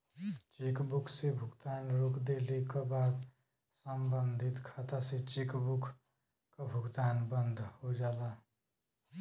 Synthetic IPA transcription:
t͡ʃekbukʰsebʱʊɡt̪aːnɾokʰd̪elekabaːd̪ | səmbənd̪ʱit̪kʰat̪aset͡ʃekbukʰ | kabʱʊɡt̪aːnbənd̪ʱhod͡ʒaːla

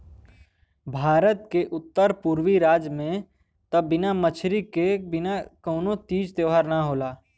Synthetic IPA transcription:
bʱaːɾət̪̚keʔʊt̪ːəɾpuːɾwiɾaːd͡ʒmẽ | t̪əbɪnamət͡ʃʰɾikebɪnakəːnot̪iːd͡ʒt̪jəːɦaɾnaɦoːlaː

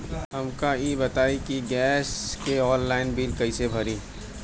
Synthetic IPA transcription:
ɦɐmkaibɐt̪aːikiɡɛːskeɔːllaːɪnbiːlkɐisebʱɐɾiː

